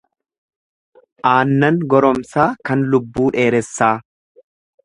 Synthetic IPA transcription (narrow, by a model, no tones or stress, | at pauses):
ʔaːnːɐŋɡɔɾɔmsaːkɐnlʊbːuːᶑe̞ːɾɛsːaː